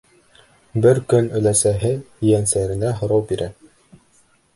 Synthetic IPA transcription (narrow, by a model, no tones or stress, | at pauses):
bɘɾkɵnɵ̆læsæɦɘjænsæɾɘ̆næɦŏɾɑwbiɾʔæ